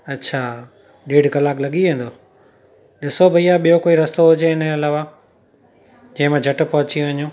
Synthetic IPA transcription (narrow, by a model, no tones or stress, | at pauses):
ɐtːɕʰaː | ɗeːɖkɐlaːklɐɠiʋẽːn̆d̪oː | ɗɪsobʱɐiaɓijokoːiɾɐst̪oɦʊd͡ʑeɪnəɐlaːʋa | d͡ʑɐ̃ɦɪ̃mãd͡ʑʱɐʈ̆pɐɦʊt͡ɕĩʋɐɲũː